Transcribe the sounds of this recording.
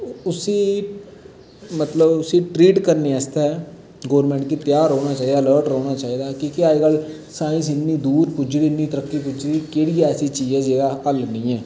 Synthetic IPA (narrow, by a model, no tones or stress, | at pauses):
ʊsiː | mət̪ləbʊsiːʈɾiːʈkəɾneːɛːst̪aɛː | ɡoːɾmɛ̃ːɳʈkit̪jaːɾoːnaːt͡ʃaːiːd̪aːləːɾʈɾoːnaːt͡ʃaːiːd̪aːkĩːkɪaːiɡəl | sãːɪ̃ns̬ɪnːiːd̪uːɾpʊd͡ʒd̪iɪnːiːt̪əɾəkːiːp̬ʊd͡ʒd̪iːkeːɽiːɛːsiːt͡ʃiːzɛːd͡ʒeːɾaːɦəlnĩːɛː